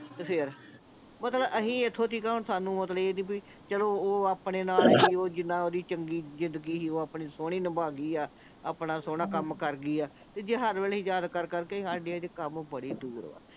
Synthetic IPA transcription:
t̪epʰɪɾ | mət̪ləbəɦĩːɪt̪ʰːoːt̪ʰiːkaːʊnsaːnũːmət̪ləeːnĩːbi | t͡ʃəloːoːaːpɳeːnaːlɦiːoːd͡ʒɪnːãːoːd̪iːt͡ʃəŋɡiːzɪ̃nd̪əɡiːsiːoːaːpɳiːsoːɽ̃iːnəbaːɡiːaː | a̰ːpɳaːsoːɽaːkəmkəɾɡiːaː | t̪eːd͡ʒeːɦəɾʋeːliːd͡ʒaːd̪kəɾkəɾkeɦaːɖiːɛːd͡ʒekəmbəɽiːd̪uːɾ̰a̰ː

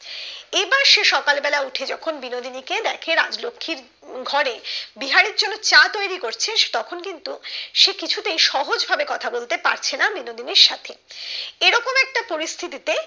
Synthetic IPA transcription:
ebaɾʃeʃɔkalbɛlauʈʰed͡ʑɔkʰonbinod̪iniked̪ɛkʰeɾa̰d͡ʑlokʰːiɾ | ɡʱɔɾebiɦaɾeɾd͡ʑonːot͡ɕat̪ojɾikoɾt͡ɕʰeʃt̪ɔkʰonkint̪uʃekit͡ɕʰut̪eejʃɔɦod͡ʑbʱabekɔt̪ʰabolt̪epa̰ɾt͡ɕʰenabinod̪iniɾʃat̪ʰeeɾɔkomɛk̚ʈapoɾist̪ʰit̪it̪e

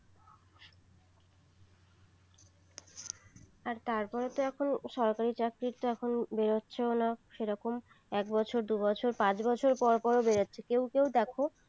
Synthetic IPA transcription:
aɾt̪aɾpɔɾet̪oɛkʰonʃɔɾkaɾit͡ɕakɾiɾt̪oɛkʰonbeɾotːɕʰeonaʃeɾɔkom | ɛk̚bɔt͡ɕʰoɾd̪ubɔt͡ɕʰoɾpãt͡ɕbɔt͡ɕʰoɾpɔɾpɔɾobeɾotːɕʰekewkewd̪ɛkʰo

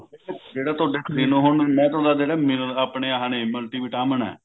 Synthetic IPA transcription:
ed͡ʒeːɽaːt̪ʊaːɖeːksiːnũːɦʊɳːmɛ̃ːt̪aːd̪aːd͡ʒeːɽaːmɪlaːpɳeːɦaːneməlʈiːʋiʈaːmənɛ̰ː

